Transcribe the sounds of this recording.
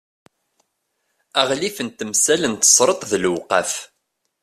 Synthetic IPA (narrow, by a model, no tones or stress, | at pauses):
æʁlifənt̪əmsælənt̪ə̥sˤɾˤət̪ˤðəlwqɑf